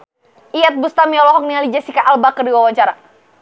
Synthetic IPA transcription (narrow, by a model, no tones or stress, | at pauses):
ʔiat̪̚bust̪amiɔlɔɦɔk̚nialid͡ʒasikaʔalbakərdiwawaɲt͡ʃaɾa